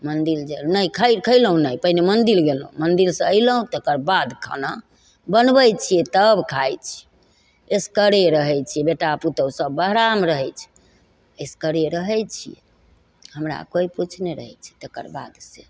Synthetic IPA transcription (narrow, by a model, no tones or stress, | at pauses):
mənd̪ild͡ʒenəjkʰəjkʰəɪlɦũnəipəɦinemənd̪ilɡelũmənd̪ilsə̃əɪləɦũt̪əkəɾbad̪kʰə̰na | bənbət͡ʃʰijɛt̪əbkʰajt͡ʃʰi̥ | eskəɾeɾəɦɛjt͡ʃʰijɛbeʈaput̪əsəbːəɦɾamɾəɦɛjt͡ʃʰɛ̥ | eskəɾeɾəɦɛjt͡ʃʰijḛ | həmɾa̰koiput͡ʃʰneɾə̰ɦɛt͡ʃʰɛ̥t̪əkə̰ɾba̰d̪se